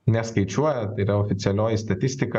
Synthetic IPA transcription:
nʲɛskɐɪt͡ʃʲuɔjɛt̪ɐɪɾɐɔfʲɪt̪sʲɪɛlʲoːjɪst̪ɐt̪ʲɪsʲt̪ʲɪkɐ

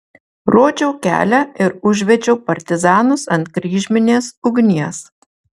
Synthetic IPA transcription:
ɾoːd͡ʒʲɛʊkʲæ̰ːlʲæɪɾʊʒʲʋʲɛd͡ʒʲɛʊpɐɾʲt̪ʲɪzɑːnʊsɐnt̪̚kɾʲiːʒʲmʲɪnʲeːsʊɡnʲiɛs

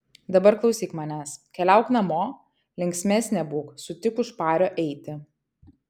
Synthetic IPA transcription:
d̪ɐbɐɾklˠɒʊsʲiːkmɑːnʲæskʲɛlʲæˑʊknɐmoː | lʲɪŋʲksʲmʲæːsʲnʲɛbuːksʊt̪ʲɪkʊʃpɑːɾʲoːʔɛɪt̪ʲɪ

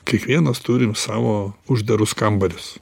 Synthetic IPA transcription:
kʲiɛkʋʲiɛnɐst̪ʊːɾʲɪmsɑːʋoːʊʒʲd̪ɐɾʊskɐmbɐlʲɪs

